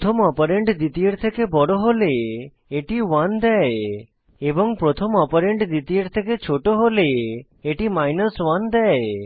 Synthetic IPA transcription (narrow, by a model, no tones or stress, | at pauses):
t̪ʰɔmɔpɔɾeɳɖd̪it̪ieɾt̪ʰekebɔɽoɦole | eʈiwand̪ɛe | ebɔŋpɾɔt̪ʰɔmɔpɔɾeɳɖd̪it̪ieɾt̪ʰeket͡ʃʰoʈoɦole | eʈimajnəswand̪ɛe